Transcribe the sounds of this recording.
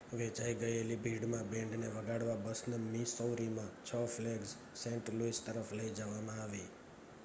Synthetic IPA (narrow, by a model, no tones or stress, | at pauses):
ʋet͡ʃaiɡəelibʱiɽmãbɛ̃ɳɖneʋəɡaɽʋabəsnəmisɔwɾimãt͡ʃʰɔfleɡz | sɛ̃ɳʈɾluist̪əɾəfləid͡ʒəʋamãaʋi